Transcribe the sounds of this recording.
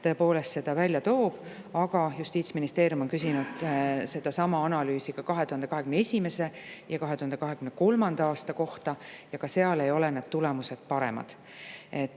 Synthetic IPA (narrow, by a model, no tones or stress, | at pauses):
t̪ɤ̞epo̞ːle̞st̪se̞d̪̥ɑvælʲjɑt̪o̞ːb̥ | ɑɡ̥ɑjust̪iːt̪sminist̪e̞ːɾijumo̞nkysinud̪̥se̞d̪̥ɑsɑmɑɑnɑlyːsikɑkɑɦet̪uhɑnd̪eɑɦe̞kymneesʲime̞se̞jɑkɑɦe̞t̪uhɑnd̪ekɑɦe̞kymneko̞lmɑnd̪̥ɑɑːst̪ɑko̞ht̪ɑjɑkɑse̞ɑle̞jo̞lenɑd̪̥t̪ulemuse̞d̪̥̚pɑɾe̞̰mɑ̰d̪̥ | e̞t̪ːˑ